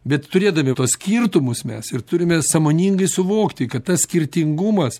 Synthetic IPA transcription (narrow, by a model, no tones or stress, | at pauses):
bʲɛt̪t̪ʊɾʲeːd̪ɐmʲɪt̪oːssʲkʲirt̪ʊmʊsmʲɛ̰sɪrt̪ʊɾʲɪmʲɛsɐmoːnʲiːŋɡɐɪsʊʋoːkt̪ʲɪkɐt̪t̪ɐssʲkʲɪɾʲt̪ʲɪŋɡʊmɐs